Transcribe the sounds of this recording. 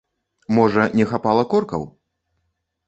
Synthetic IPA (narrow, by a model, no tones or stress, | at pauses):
mɔʐɐnʲɛxapalˠɐkɔrkɐ̰w